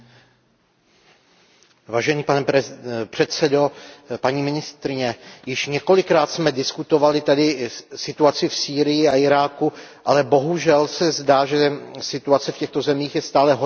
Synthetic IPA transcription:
vaːʒɛniːpanɛpr̝̥ɛt̪sɛdopaɲiːmɪnɪst̪ɾɪɲɛjɪʃɲɛko̞lɪkɾaːt̪smɛdɪskut̪o̞valɪt̪adɪsɪt̪uat͡sɪfsiːɾɪjɪaɪɾaːkuʔalɛbo̞ɦuʒɛlsɛzdaːʒɛsɪt̪uat͡sɛfcɛxt̪o̞zɛmiːxjɛst̪aːlɛɦo

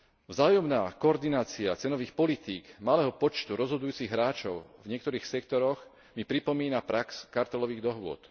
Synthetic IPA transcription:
vzaːjɔmnaːkɔɔɾd̪inaːt͡siat͡sɛnɔʋiːxpɔlit̪iːɡmalɛːɦɔpɔt͡ʃt̪uɾɔzɦɔd̪ujuːt͡siɣɦɾaːt͡ʃɔʊvɲɪɛk̚t̪ɔɾiːxsɛkt̪ɔɾɔɣ | mipɾipɔmiːnapɾakskaɾt̪ɛlɔʋiːɣd̪ɔɦʋʊɔ̰t̪

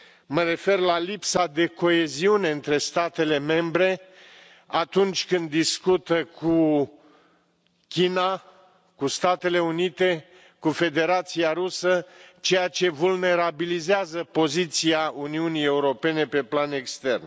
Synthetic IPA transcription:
məɾe̞fe̞rlalipsad̪e̞ko̞e̞ziune̞ɨnt̪ɾe̞st̪at̪e̞le̞me̞mbɾe̞ | at̪unt͡ʃʲkɨnd̪ːiskut̪əkʰu | kʲina | kust̪at̪e̞le̞unit̪e̞ | kufe̞d̪e̞ɾat̪siaɾusət͡ʃe̞jat͡ʃe̞vulne̞ɾabilizeazəpo̞zit̪siauniunije̞uɾo̞pe̞ne̞pe̞plane̞kst̪e̞rn

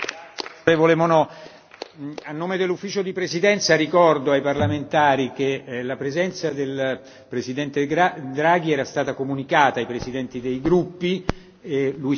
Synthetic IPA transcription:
evolemonɔ | anːoːmed̪elːufːiːt͡ʃod̪ipɾezid̪ɛnt̪saɾikɔrd̪oajparlament̪aːɾik̟elapɾezɛnt̪sad̪el | pɾezid̪ɛnt̪ead̪ɾaːɡ̟iɛːɾast̪aːt̪akomunikaːt̪aːjpɾezid̪ɛnt̪id̪ejɡɾupːi | luj

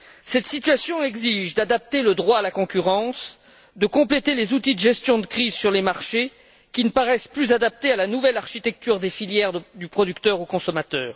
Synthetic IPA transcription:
sɛt̪sit̪ɥasjɔ̃ɛɡziʒd̪ad̪ap̚t̪eləd̪ʁwaːlakɔ̃kʲyʁɑ̃s | d̪əkɔ̃plet̪elezut̪id̪əʒɛst̪jɔ̃d̪əkχizsyʁlemaʁʃe | kʲinəpaʁɛsplyzad̪ap̚t̪ealanuvɛlaʁʃit̪ɛk̚t̪yʁd̪efiljɛʁd̪ypχɔd̪ykt̪œʁokɔ̃sɔmat̪œːʁ

